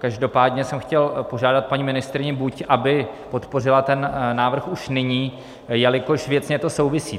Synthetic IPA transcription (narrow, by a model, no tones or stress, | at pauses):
kaʒdo̞paːdɲɛsɛmxcɛlpoʒaːdat̪̚paɲiːmɪnɪst̪ɾɪɲɪbucʔabɪpo̞t̪po̞r̝ɪlat̪ɛnnaːvr̩xuʃnɪɲiː | jalɪkoʃvjɛt͡sɲɛt̪o̞so̞wvɪsḭː